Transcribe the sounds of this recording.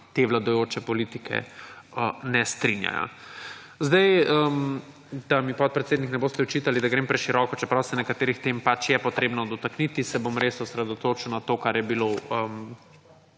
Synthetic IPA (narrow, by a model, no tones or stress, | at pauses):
t̪eʋlad̪ɔjoːt͡ʃɛpɔliːt̪ikʰɛ̰ənɛst̪ɾinja̰ja̰ | zd̪ɛjəm | d̪̥amipɔt̪̚pɾɛt̪seːd̪niknɛboːst̪ɛɔt͡ʃiːt̪alid̪aɡɾeːmpɾɛʃiɾɔkɔt͡ʃɛpɾawsɛnɛkat̪eːɾixt̪empat͡ʃjɛpɔt̪ɾeːbnɔd̪ɔt̪aknit̪isɛbomɾesɔsɾɛd̪ɔt̪oːt͡ʃuwnat̪oːkaɾjɛbiloəm